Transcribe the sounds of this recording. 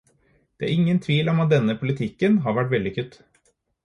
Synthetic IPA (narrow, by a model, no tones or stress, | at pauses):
d̪̥ɛæ̰ɾɪŋːənt̪ʰʋiːlɔmɑt̪̚d̪ɛnːəpʰʊlɪt̪ʰɪkːənɦɑɾʋæʈʋɛld̪ɪkʰʉt̪ː